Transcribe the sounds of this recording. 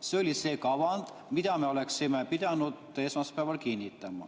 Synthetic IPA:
seolisekɑʋɑnt̪ | mit̪æmeoleksimepit̪ænut̪esmɑspæːʋɑlkinʲːit̪ːæmːɑ̰

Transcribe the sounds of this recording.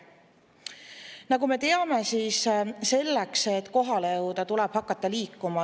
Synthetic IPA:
nɑɡume̞t̪e̞ɑme̞siːsse̞lːekset̪ːˑko̞ɦɑlejɤwd̪̥ɑt̪ulɛb̥hɑkːˑɑt̪ːɑliːkːˑumɑ

